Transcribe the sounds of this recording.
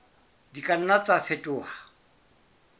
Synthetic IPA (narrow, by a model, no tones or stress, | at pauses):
dikʼan̩nat͡sʼafetʼʊːha